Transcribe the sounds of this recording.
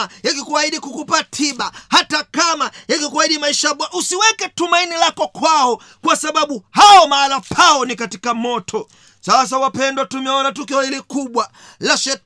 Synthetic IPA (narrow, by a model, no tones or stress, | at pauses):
jakikuwaiɗikukupatʰiɓahatakamajakikuwahiɗimaiʃaɓwaʔusiwɛkɛtumainilakɔkwaɔ | kwasaɓaɓuhaɔmaːlapʰaɔnikatikamɔtʰɔ | sas̬awapɛndwatumɛɔnatukiɔhilikuɓwa | laʃɛ